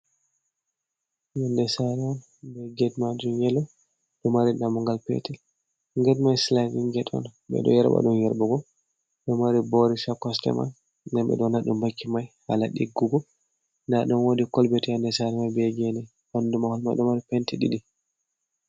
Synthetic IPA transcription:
jandɛsaɾɛman | bɛɡɛdmad͡ʒumjɛlːɔ | ɗɔmaɾinamɔŋɡalpɛ̰tɛl | ŋɡɛdmajslaniŋɡɛɗɔ̰nɓɛ̰ɗɔ̰jɛɾɓa̰ɗunjɛɾbɔɡɔ | ɗɔmaɾibɔɾisakːɔstɛ̰ma̰n | dɛnɓɛ̰ɗɔnaɗumbakːimajha̰laɗiɡːuɡɔ | naɗɔnwodikɔlbɛtijandɛsaɾɛmabɛɡɛnɛ | handumahɔlmajɗɔmaɾipɛntiɗḭɗi

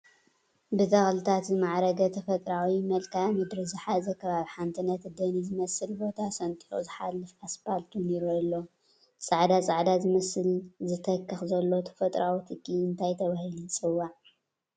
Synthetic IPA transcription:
bɨt̪ʼɐxlɨt̪ʰat̪zɨmaʕɾɐɡɐt̪ʰɐfɐt̪ʼɾawimɐlkʰamɨd̪ɾɨzɨħazɐkʰɐβaβiħant̪ʰɨnːɐt̪d̪ɐnizɨmɐsɨlbo̞t̪ʰasɐnt̪ʼiħozɨħalːɨfaspalt̪ʰuneɾulːo | sʼaʕd̪at͡sʼaʕd̪azɨmɐsɨlzɨt̪ʰɐkːɨxzɐlːo̞t̪ʰɐ̥fɐt̪ʼɾʔawit̪ʰɨkʰːiɨnt̪ʰajt̪ʰɐβahilɨnt͡sʼɨwːaʕ

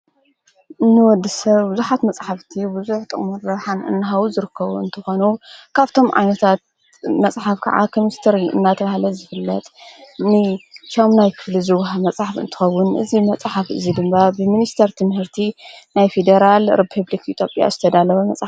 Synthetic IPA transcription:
ʔɨnːɨwɔd̪ːɨsɐβbʊzuħat̪mɐt͡sʼħaft̪ʰibuzuħt̪ʼɨχʼmɨnːɐβħanɨ̰nːɨɦaβuzɨɾɨkːɐβuɨnt̪ʰɨxo̞nukʰaβt̪ʰo̞mʕa̰jnɐt̪ʰat̪̚ | mɐt͡sʼħafkʰɐ̰ʕa̰kʰo̞mist̪ʰɐɾiɨ̰nːat̪ʰɐβahlɐzɨfɨlːɐt̪ʼnɨt͡ʃʰomnajkʰɨ̥flizɨwɦamɐt͡sʼħafɨ̰nt̪ʰɨ̥xɐwːʊnʔɨ̰zimɐt͡sʼħafɨ̰zid̪ɨmbabɨminist̪ʰɐɾt̪ʰɨmhɨɾt̪ʰinajfed̪ɐɾalɾipʰɨβlikit̪ʰjopʼja̰zɨt̪ʰɐd̪alɐwɐmɐ̰t͡sʼ

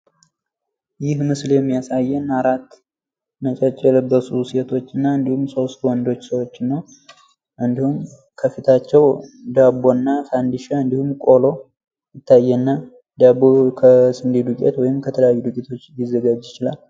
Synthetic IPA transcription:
jɪhmɨsljɛmːijasajːɛnːaɾat̪ː | mət͡ʃʼɛt͡ʃʼːɛlbːəsuset̪ʰo̞t͡ʃːɨnːaɨnd̪ihumso̞st̪wɔnd̪o̞t͡ʃːsəwot͡ʃːnːəw | ʔɨnd̪ihum | kʰəfit̪ʰat͡ʃːɛwd̪abo̞nːafand̪iʃaɨnd̪ihumkʼo̞lo̞ | jɪt̪ʰːajːɛnːa | d̪abokʰəsɨnd̪ed̪ukʼɛ̰t̪wɔjɪmkʰət̪ʰələjajːud̪ukʼit̪ʰo̞t͡ʃːjizːəɡad͡ʒɪt͡ʃɪlal

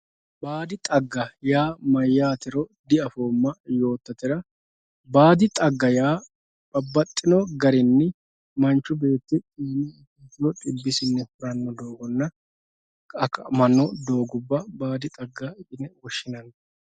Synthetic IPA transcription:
baːd̪ɪt̪ʼɐɡːɐjaːmɐjːaːt̪ɪɾɔd̪ɪɐfoːmːɐjo̞ːt̪ːɐt̪ɪɾɐ | baːd̪ɪt̪ʼɐɡːɐjaː | bɐbːɐt̪ʼːɪnɔɡɐɾɪnːɪ | mɐnt͡ʃːʊbe̞ːt̪ːɪt̪ʼiːniɪtit̪ːɪɔt̪ʼɪbːɪsɪnːɛfʊɾɐnːɔd̪o̞ːɡɔnːɐ | ɐkːɐmɐnːɔd̪o̞ːɡʊbːɐbaːd̪ɪt̪ʼɐɡːaɪʔʼɪnɛwɔʃːɪnɐn

